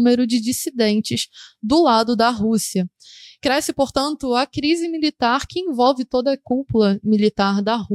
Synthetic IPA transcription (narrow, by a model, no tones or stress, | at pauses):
meɾʊd͡ʒɪd͡ʒisid̪ẽnt͡ʃɪzd̪ʊlad̪ʊd̪ɐɦusiɐ | kɾɛsɪpoɾt̪ɐ̃nt̪ʊɐkɾizɪmilit̪aɾkɪẽvɔwvɪt̪od̪ɐːkuplɐmilit̪aɾd̪ɐhu